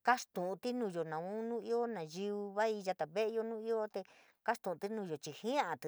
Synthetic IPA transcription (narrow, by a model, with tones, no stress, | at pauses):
ka˦ʂt̪ũ˨ũ˧t̪i˦nũ˧˨jo˨nã˨ũ˦nũ˦i˦o˦nã˨ji˧u˧βa˦i˧ʒa˧t̪a˨βe˦ʔe˧jo˧nũː˦i˦o˦t̪e˧ | ka˦st̪ũ˨˧t̪i˦nũ˧jo˨t͡ʃi˧hĩ˦ã˦a˨t̪